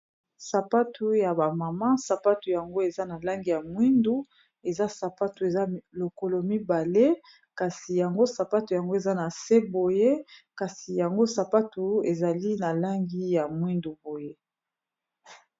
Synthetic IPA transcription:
sa˨pa˦tʰu˦ja˨ba˨ma˨ma˦sa˨pa˦tu˨ja˨ŋɡo˦e˨za˦na˨la˦ŋɡi˦˨ja˨mwi˦ndu˦ | e˨za˦sa˨pa˦tu˨e˨za˦lo˨ko˨lo˨mi˦ba˨le˦ | ka˨si˨ja˨ŋɡo˦sa˨pa˦tu˨ja˨ŋɡo˦e˨za˦na˨se˦bo˨je˦ka˨si˨ja˨ŋɡo˦sa˨pa˦tu˨e˨za˨li˦na˨la˦ŋɡi˦ja˨mwi˦ndu˨bo˨je˦

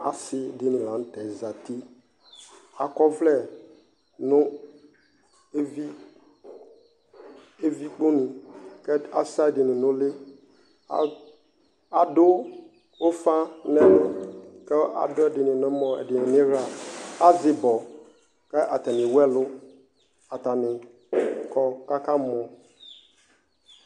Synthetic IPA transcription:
a̰˨sɪ˦˨dɪ˦nʊ̃˨lã˨n̩˦tɛ˨za˨t̪i˦ | a˨kɔ˦vlɛ˦˨ | nʊ̃˦ | e˦vi˦ | e˦vi˦k͡po˦nĩ˨kɛ˦a˦˨sa˦˨dɪ˨nʊ̃˨nʊ̃˦lɪ˦ | a̰˨ | a˨dʊ˦ | ʊ˦fa˦nɛ̃˦nʊ˦kɛ˦ʔa̰˨dʊ˦ɛ˦˨dɪ˨nɪ̃˨nʊ̃˦mɔ̃˨ɛ̰˨dɪ˨nɪ̃˨nɪ̃˦ɾa˨a˦zɪ˨bɔ˨ | kɛ˦ʔa˨ta˨nɪ̃˨wɛ˦lʊ˦ | a˨ta˨nɪ̃˨ | kʰɔ˨ka˦kã˦mɔ̃˨

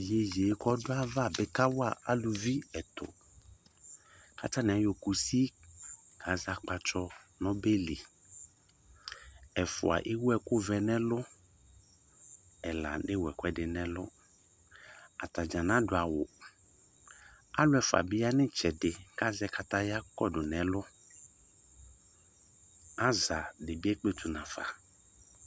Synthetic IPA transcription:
je˨je˨˦kɔ˦dʊ˦a˦va˦˨bɪ˨ka˦wʊ˦a˦˨a˦lu˨vi˦ɛ˨t̪ʊ̰˨ | ka˦ta˦nɪ̃˨a˨jo˨ku˨si˦ | ɡa˨˦za˨k͡pa˨t͡ʃɔ˦nɔ̃˦be˦li˨ | ɛ˨fʊ̰˨a̰˨ʔɪ˦wʊ˦ɛ˨kʊ˦vɛ˨nɛ̃˦lʊ˦ | ɛ˨la̰˨nɪ̃˦wɛ˨kʷɛ˦dɪ˨nɛ̃˦lʊ˦ | a˨ta˨d͡ʒã˨nã˨˦dʊ˨a˨wʊ˨ | a˦lʊ˦ɛ˨fa̰˨bɪ˦a˦nɪ̃˦t͡ʃɛ˨dɪ˨ka˦zɛ˦kʰa˨ta˦ja˦kɔ˦dʊ˨nɛ̃˨lʊ˦ | a˦za˨dɪ˨bɪ˦ɛ˦k͡pe˦tʰu˨nã˨fa̰˨

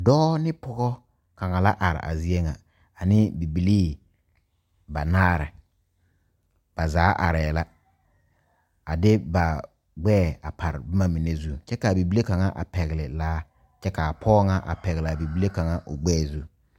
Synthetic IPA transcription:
dɔː˦nɪ˦pɔ˦ɡɔ˦ | ka˨ŋa˨la˦ʔa˨ɾɪ̰˨ʔa̰˨zi˦e˦ŋa˨ | a˨nɪ˦bi˨bi˨liː˦ | ba˨naː˦˨ɾɪ̰˨ | b̥a˨zaː˨˦ʔa̰˨ɾɛː˨la˦ | a˨dɪ˦ba˨ | ɡ͡bɛː˦˨a˨pʰa˨ɾɪ˨bɪ˦ma˦mi˨ne˦zu˦t͡ʃɛ˦ka˨bi˨bi˦le˦ka˨ŋa˦ʔa̰˨pɛ˨ɣɪ˨lɪ˨laː˦ | t͡ʃɛ˦ka˨pʰɔː˦ŋa˦ʔa̰˨pɛ˨ɣɪ˨lbi˨bi˦le˦ka˨ŋa˦ʔʊ˨ɡ͡bɛː˦˨zu˦

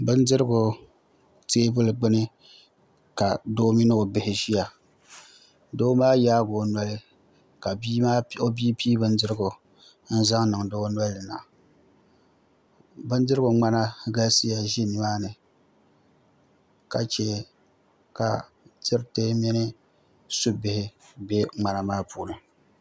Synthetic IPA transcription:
bɨ˦ndɨ˦ɾɨ˦ɡʊ˨ | teː˦bʊ˦lɨ˨ɡ͡bɨ˦nɨ˦ | ka˨do˦mi˦nɨ˦o˨bɪ˨hɪ˨ʒi˦ja˨ | doː˦maː˦ja˦ɡo˨nwa˦lɨ˦ | ka˨bi˦maː˦o˦bi˦piː˦bɨ˦ndɨ˦ɾɨ˦ɡʊ˨ | n̩˦za˦ŋnɨ˨ŋdo˦na˦lːɨ˨na̰˨ | bɨ˦ndɨ˦ɾɨ˦ɡʊ˨ŋ͡ma˦na˦ɡa˦si˦ja˨ʒi˦nɨ˦maː˦nɨ˨ | ka˨t͡ʃe˦ | ka̰˨ | tɨ˦ɾte˦mɛ˦nɪ˦ | su˦bɪ˦hɪ˦be˦ŋ͡ma˦na˦˨maː˦puː˨lɨ˨

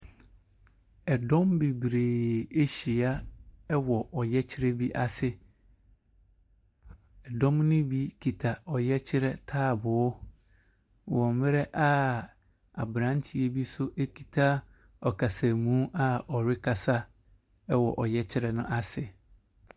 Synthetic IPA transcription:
ɛ˨dɔ̃˦mbi˨bɾeː˨e˦ɕi˨a˦ɛ˦wɔ˨ʔɔ˨jɛ˦t͡ɕʰɪ˦ɾɛ˦bi˦ʔa˦sɪ˦˨ | ɛ˨dɔ̃˦mnʊ̃˦bi˦kʰi˨tʰa˨ɔ˨jɛ˦t͡ɕʰɪ˦ɾɛ˦tʰaː˦˨bʊ˨ʊ˦ | wɔ̃˨m˦mɪ˦ɾɛ˦ʔa˦ | a˨bɾã˨˦n˦tʰi˨˦e˦bi˦sʊ˦ʔe˦kʰi˨tʰa˦ | ɔ˨kʰa˨sa˨mũ˦ʔa˦ɔ˨ɾɪ˦kʰa˨sa˦ | ɛ˦wɔ˨ʔɔ˨jɛ˦t͡ɕʰɪ˦ɾɛ˨nʊ̃˦ʔa˨sɪ˨

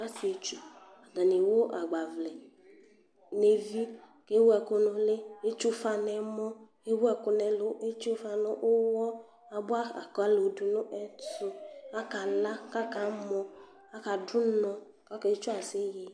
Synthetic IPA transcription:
a˦si˨e˨t͡ʃu˦ | a˨da˨ne˨wo˦ʔa˨ɡ͡ba˨vlɛ˨ | ne˨vi˦ | ke˦wu˦ɛ˨kʊ˧nʊ̃˨le˦e˦t͡ʃu˦fa˨nɛ˨mɔ̃˦ | e˦wu˦ɛ˨kʊ˨nɛ˨lʊ˨e˦t͡ʃu˦fa˨nʊ̃˨˦ʔʊ˦wɔ˦ | a˨bʊ˦a˦a̰˨kɔ˨a˦lo˨du˨nʊ̃˦ʔɛ˦tʊ˦a˦ka˨la˦ka˦ka˨˦mɔ̃˨ | a˦ka˨dʊ˦nɔ̃˨ | ka˦ke˨˦t͡ʃu˦a˨sɪ˦je˨

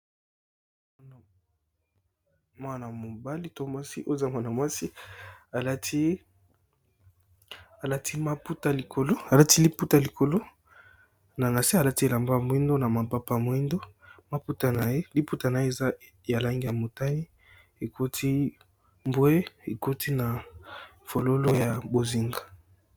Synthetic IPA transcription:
mwa˦na˨mo˨ba˦li˦to˦mwa˦sḭ˦ʔo˦e˨za˦mwa˦na˨mwa˦si˦a˨la˦ti˦ | a˨la˦tʰi˦ma˦pu˦ta˨li˨kʰo˨lo˦a˨la˦ti˦li˦pu˦ta˨li˨kʰo˨lo˦ | na˨na˨si˦a˨la˦ti˦e˨la˨mba˦a˨mwi˦ndo˦na˨ma˨pa˦pa˦˨mo˨˦i˦ndo˦ma˦pu˦ta˨na˨je˦li˦pu˦ta˨na˨je˦e˨za˦ | ja˨la˦ŋɡi˦ja˨mo˨ta˦ni˦ | e˨kʰo˦tʰi˦ | mbwe˦e˨ko˦tʰi˦na˨ | fo˨lo˦lo˦ja˨bo˨zi˨ŋɡa˨

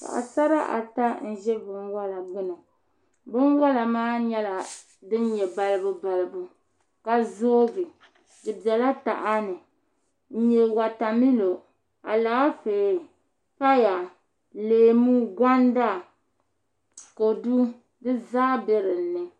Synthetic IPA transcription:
ka̰˨ʔa̰˨sa˦ɾa˦ʔa̰˨ta˦n̩˦ʒɛ˦bɨ˦ŋwa˦la˨ɡ͡bʊ˦no˨ | bɨ˦nwa˦la˨maː˦ɲɛ˦la˨ | dɨ˦n˦ɲjɛ˨ba˦lɨ˦bu˦ba˨lɨ˨bu˦ | ka˨zoː˦ɡɨ˨ | dɨ˨bɛ˨la˦ta˨ʔa˦nɨ˨ | n̩˦ɲɛ˨wa˨ta˨mi˦lo˨ | a˨la˨˦feː˨ | pa˦ja˨ | leː˨mu˦ɡa˦n˦da˦˨ | ko˨du˦ | dɨ˦zaː˦bɛ˦ɾɨ˨n̩˦nːɨ˨

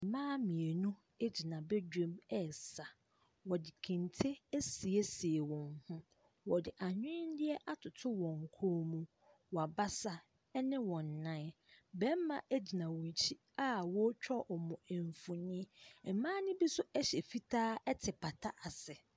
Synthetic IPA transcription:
m̩˨mãː˦mĩ˨e˨nũ˦ | e˦d͡ʑi˨nã˨be˦d͡ʑᶣẽ˦mɛ˦˨sa˨ | wɔ˨dɪ˨kʰĩ˨n˨tʰe˦e˦si˨e˦si˨e˨wɔ̃˨nhʊ̃˦ | wɔ˨dɪ˨ʔa˨ɲᶣɪ̃˦n˦dɪ˦ɛ˦ʔa˦tʰʊ˨tʰʊ˦wɔ̃˨ŋ˨kʰo˦mũ˦ | wɔ˨a˨ba˦sa˦ | ɛ˦nɪ̃˦wɔ̃˨nː˨ã˦ | bɛ̃˦m˦mã˨ʔæ˦d͡ʑi˨nã˨wɔ̃˨ɲ˨t͡ɕʰi˦ | a˦wɔ˦t͡ɕᶣɔ˦ʔɔ˨mɔ̃˨e˨ɱ˨fʊ̃˨nĩ˦˨˦mãː˦nɪ̃˦bi˦sʊ˦ʔæ˦ɕɛ˨fi˦tʰaː˦ɛ˦tʰɪ˨pʰa˨tʰa˦ʔa˨sɛ˨

